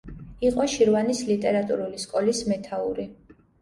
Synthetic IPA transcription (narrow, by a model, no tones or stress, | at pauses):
iqʼɔʃiɾvanislit̪ʼɛɾat̪ʼṵɾuliskʼɔlismɛt̪ʰaṵɾi